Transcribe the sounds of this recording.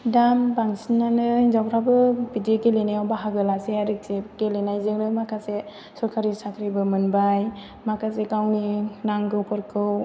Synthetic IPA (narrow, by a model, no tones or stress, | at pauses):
dambaŋsinːanɯinzawʰɾabɯbideɡelenajawbaɦaɡɯlaseaɾɯk̚seɡelenajzɯŋnɯmakʰase | sɔɾkʰaɾisakʰɾibɯmɯnbaj | makʰasekawninaŋɡɯwkʰɯɾkʰɯw